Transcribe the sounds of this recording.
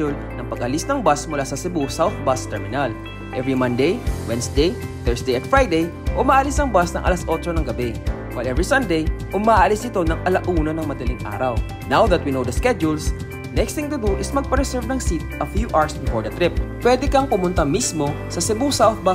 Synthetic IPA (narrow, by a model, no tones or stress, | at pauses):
ʊl | nɐŋpɐɡɐlisnɐŋbasmʊlasɐsɛbusawθbast̪ɛɹmɪnal | ʔɛvɹimɐ̃nd̪ejwɛnsd̪ejt̪ɛɹsd̪ejɐt̪fɹajd̪ej | ʔʊmaːʔɐlɪsɐŋbasnɐŋʔɐ̰lasʔot͡ʃonɐŋɡɐbɛwɐjlʔɛvɹisɐnd̪ejʔʊmaːʔʔɐlɪsɪt̪o̞nɐŋʔɐlɐʔuːnonɐŋmɐd̪ɐliŋʔa̰ːɾɐw | nawðɐt̪̚winowd̪ɐskɛd͡ʒʊls | nɛkst̪ɪŋt̪ʊd̪uʔɪsmɐɡ̚pɐɾɛsɛɹvnɐŋsit̪̚ʔɐfjuʔaɹsbɪfoɹd̪ɐt̪ɾɪp̚pːwɛd̪ɛkɐŋpʊmʊnt̪ɐmismo̞ | sɐsɪbusawθ̚ba